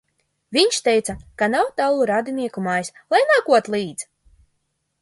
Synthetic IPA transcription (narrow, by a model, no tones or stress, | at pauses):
vʲiɲʃt̪ɛjt̪sakanawt̪awlˠuɾad̪iniɛkumajslˠajnaːkuɔt̪lˠiːd̪z